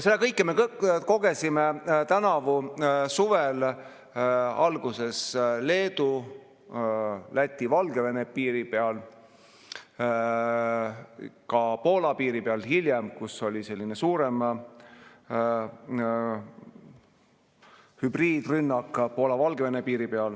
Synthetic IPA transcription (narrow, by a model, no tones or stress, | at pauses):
selːekɤjkˑːemeko̞ɡ̥e̞simet̪ænɑvusuvel | ɑlɡ̥use̞sle̞ːd̪̥u | læt̪ʲːˑivɑlɡe̞ve̞nepiːɾipeɑl | kɑpo̞ːlɑpiːɾipeɑlhilʲjemkusolʲise̞lʲːine̞suːɾem | hybriːd̪̥rynːɑkːˑpo̞ːlɑvɑlɡeve̞nepiːɾipe̞ɑl